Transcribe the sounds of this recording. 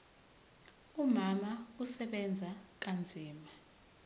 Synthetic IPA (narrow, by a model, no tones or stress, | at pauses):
umamausɛɓɛnd͡zʱak̬and͡zʱiːma